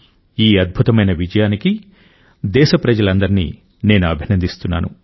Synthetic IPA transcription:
iːɐd̪̚bʱut̪ɐmɐjnɐʋid͡ʒɐjaːniki | d̪ɛːʃɐpɾɐd͡ʒɐlɐnd̪ɐɾinḭː | ne̞ːnuɐbʱinɐnd̪ist̪unːa̰ːnṵ

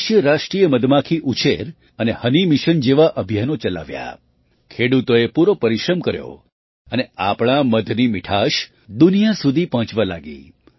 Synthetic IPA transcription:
ʃjəɾaʃʈɾijəməd̪ʱmakʰiʔut͡ʃʰeɾ | ənehənimiʃənd͡ʒeʋaʔəbʱjanot͡ʃəla̰ʋja̰ | kʰeɽut̪oepuɾopəɾiʃɾəmkəɾjo̰ | əneapɳ̃aməd̪ʱnimɪʈʰaʃ | d̪unijasud̪ʱipəɦə̃t͡ʃʋalaɡḭ

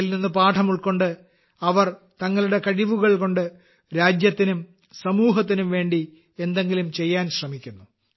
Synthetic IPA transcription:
ilninːɨpaːʈʰɐmuɭko̞ɳɖɨ | ɐʋɐr | t̪ɐŋːɐɭuɽe̞kɐɻiʋuɣɐɭko̞ɳɖɨ | ɾaːd͡ʑjɐt̪ːinum | sɐmuːɦɐt̪ːinumʋe̞ːɳɖi | e̞nd̪e̞ŋɡilumt͡ɕe̞jːaːnɕrɐmikʲːunːu

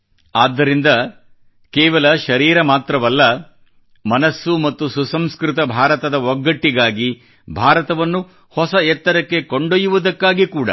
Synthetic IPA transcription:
aːd̪ːɐɾind̪ɐ | kɛːʋɐlɐʃɐɾiːɾɐmaːt̪ɾɐʋɐlːɐ | mɐnɐsːumɐt̪ːususɐmskɾɪt̪ɐbʱaːɾɐt̪ɐd̪ɐɔɡːɐʈːiɡaːɡi | bʱaːɾɐt̪ɐʋɐnːu | hɔsɐɛt̪ːɐɾɐkːe̞koɳɖojːuʋud̪ɐkːaːɡikuːɽɐ̰

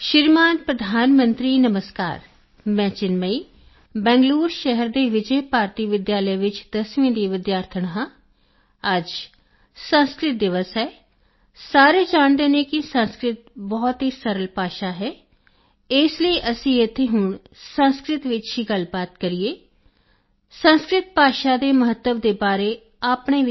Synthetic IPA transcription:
ʃɪɾmaːnpɾəd̪ʱaːnmə̃nt̪ɾiːnəməska̰ːɾ | mɛ̃ːt͡ʃɪnməiː | bɛ̃ːŋɡluːɾʃɛɦəɾd̪eːʋɪd͡ʒɛjpaːɾt̪iːʋɪd̪jaːləʋɪt͡ʃd̪əsʋĩːd̪iːʋɪd̪jaːɾt̪ʰəɳ̃ɦãː | əd͡ʒ | sə̃nskɾɪt̪̚d̪ɪʋəsɦɛː | saːɾeːd͡ʒaːɳ̃d̪eːnẽːkɪsə̃nskɾɪt̪̚bɔːt̪ɦiːsəɾəlpaːʃaːɦɛː | ɪsliːʔəsĩːɪt̪ʰːeːɦʊɳ | sə̃nskɾɪt̪ʋɪt͡ʃɦiːɡəlbaːt̪̚kəɾieː | sənskɾɪt̪̚paːʃaːd̪eːməɦət̪ːəʋd̪eːbaːɾeː | aːpɳeː

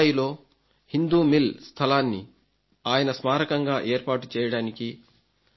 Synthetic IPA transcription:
jilo̞ː | hind̪uːmilst̪ʰɐlaːnːḭ | aːjɐnɐsmaːɾɐkɐŋɡaːʔeːɾpaːʈut͡ʃɛːjɐɽaːniki

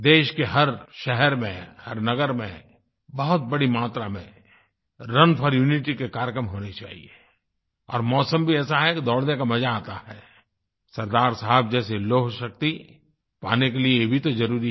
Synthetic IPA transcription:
d̪eːʃkeɦɐɾʃɛɦɛɾmḛ̃hɐɾnɐɡəɾmḛ̃ | bɐɦʊt̪̚bɐɽimaːt̪ɾamḛ̃ | ɾɐnpʰɔɾjuːnɪʈ̬ikekaːɾjəkɾəmɦoːnet͡ʃa̰ːɦḭe | ɔ̰ːɾmɔːsə̃mbʱiɛːsaɦɛkid̪ɔːɽnekamɐd͡ʒaːt̪ahɛː | sɐɾd̪aːɾsəɦəb̚d͡ʒɛːseloɦoʃɐk̚t̪i | paːnekeliejebʱit̪ozɐɾuːɾi

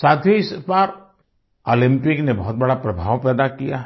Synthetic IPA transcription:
saːd̪ʱjoɪspaːɾ | olɪ̃mpɪknebɔɦʊt̪̚bɐɽapɾɐbʱaːʋpɛːd̪akijaː

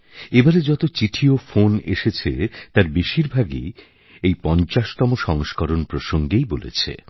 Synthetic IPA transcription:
ebaɾed͡ʑɔt̪ot͡ɕiʈʰiofoneʃet͡ɕʰet̪aɾbeʃiɾbʱaɡḭ | ejpɔnt͡ɕaʃt̪ɔmoʃɔŋʃkɔɾonpɾoʃoŋɡejbolḛt͡ɕʰḛ

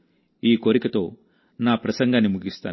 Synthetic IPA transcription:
iːkoɾikɐt̪o̞ː | naːpɾɐsɐŋɡʱɐnimuɡist̪a̰ː

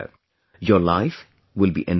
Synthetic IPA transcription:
jəlaɪf | wɪlˠbḭʔɪ̃n

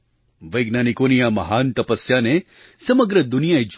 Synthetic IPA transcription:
ʋɐjɡnaːnikonijamɐɦaːnt̪ɐpəsjane | sɐməɡɾəd̪unijaid͡ʒ

